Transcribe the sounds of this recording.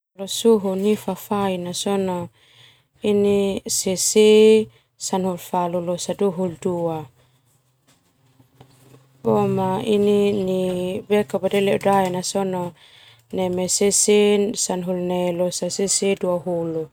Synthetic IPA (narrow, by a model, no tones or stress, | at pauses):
losuɦunifafainasɔno | inisesi | sanɦulfalulosaduɦuldua | omaininibekabadelɛudaɛnasɔno | nɛmesesisanɦulnelosasesiduaɦulu